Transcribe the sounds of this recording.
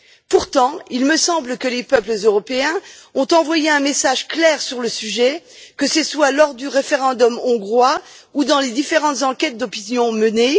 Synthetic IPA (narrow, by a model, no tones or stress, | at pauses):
puʁt̪ɑ̃ilməsɑ̃bləkəlepœpləzøʁɔpeɛ̃ɔ̃t̪ɑ̃vwajeɛ̃mesaʒklɛʁsyʁləsyʒɛkəsəswalɔʁd̪yʁefeʁɑ̃d̪ɔmɔ̃ɡʁwaud̪ɑ̃led̪ifeʁɑ̃t̪zɑ̃kʲɛt̪̚d̪ɔpinjɔ̃məne